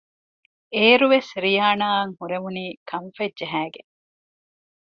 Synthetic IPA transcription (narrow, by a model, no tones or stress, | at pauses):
eːɾuʋesɾijaːnaːɐŋhuɾemuniːkʰɐmfɐdd͡ʒɐɦæːɡeŋ